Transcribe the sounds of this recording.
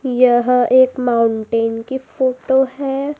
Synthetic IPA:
jəɦeːkmaːʊɳʈeːnkifoːʈoɦɛ

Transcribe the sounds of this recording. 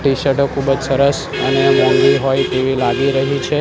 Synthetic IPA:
ʈiʃəʈokʰubəd͡ʒsəɾəs | ənemɔ̃ŋɡiɦojt̪eʋilaɡiɾəɦit͡ʃʰe

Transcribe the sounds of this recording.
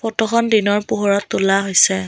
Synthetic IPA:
pɔtɔxɔndinɔɹpuɦɔɹɔtːulaɦojsɛ

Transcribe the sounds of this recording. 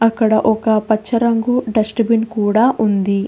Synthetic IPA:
ɐkːɐɽɐʔɔkɐpɐt͡ʃːɐɾɐŋɡuɖɐsʈɐbinkuːɽaːʔund̪i

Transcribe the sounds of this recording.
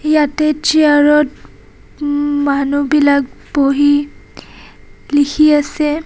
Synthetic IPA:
jatɛt͡ʃiaɹɔt̚ | manubilak̚ | boɦi | likʰiasɛ

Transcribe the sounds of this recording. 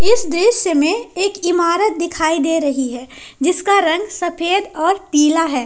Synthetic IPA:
ɪsd̪ɪʃjəmẽeːkɪmaːɾət̪̚d̪ɪkʰaːid̪eːɾɐɦiɦɛː | d͡ʒɪskaɾɐ̃ŋɡsɐpʰeːd̪ɔːɾt̪iːlaɦɛː

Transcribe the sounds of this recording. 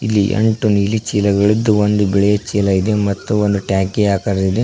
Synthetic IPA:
ilːḭʔḛɳʈuniːlit͡ʃiːlɐɡɐɭid̪ːuond̪ubɛɭɛjɐt͡ʃiːlɐid̪emɐt̪ːuond̪uʈjaːkeaːkɐɾɐd̪id̪e

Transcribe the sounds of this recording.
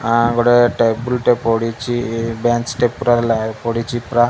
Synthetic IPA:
aɡoɽeʈebulʈepoɽit͡ʃibeːnsʈepːuɾaɾlapoɽit͡ʃipɾa

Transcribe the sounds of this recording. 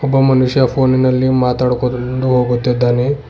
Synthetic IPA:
kʰubəmənuɕjafoninəlːimat̪aɽkoduɦoɡot̪ed̪ane

